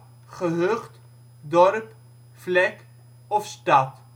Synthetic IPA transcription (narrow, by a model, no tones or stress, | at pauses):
χəɦøχt | dɔrp | flɛk | ɔfstɑt